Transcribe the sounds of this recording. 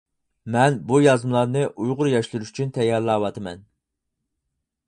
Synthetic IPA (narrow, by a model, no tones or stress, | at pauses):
mɛnbujɑzmlˠɑɾnɨʔujʁʊɾjɑʃlˠuɾuʃy̥t͡ʃʰynt̪ʰɛjːɑɾlˠɑːwɑt̪ɨmɛ̰n